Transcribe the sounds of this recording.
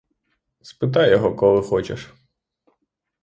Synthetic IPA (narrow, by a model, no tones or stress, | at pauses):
spɪt̪ɑjːɔɦɔkɔlˠɪxɔt͡ʃḛʃ